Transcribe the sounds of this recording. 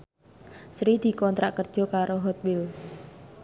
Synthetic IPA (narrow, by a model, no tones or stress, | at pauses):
sɾid̪̥i̤kɔnt̪ɾaʔkərd̥ʒ̥ɔ̤kaɾoɦɔt̪̚wɪl